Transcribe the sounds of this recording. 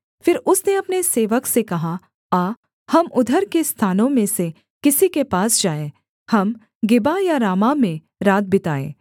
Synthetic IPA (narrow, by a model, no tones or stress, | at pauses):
fɪɾʊsneɐpneseːʋəksekɐɦa | aː | hɐmʊd̪ʱəɾkest̪ʰaːnõmẽse | kɪsikepaːsd͡ʒaːẽ | hɐm | ɡɪbajaɾaːmamẽ | ɾaːd̪̚bɪt̪aːḛː